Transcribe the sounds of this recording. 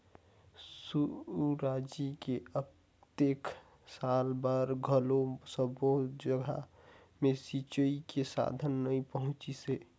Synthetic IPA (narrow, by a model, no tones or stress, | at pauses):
suɾaːd͡ʒikeə | t̪ekʰ | salbaɾɡʱəlõsə̃bəɦʊt̪̚d͡ʒəɡʱa̰ | mẽsit͡ʃəikesa̰ːd̪ʱənːəĩpəɦʊ̃t͡ʃise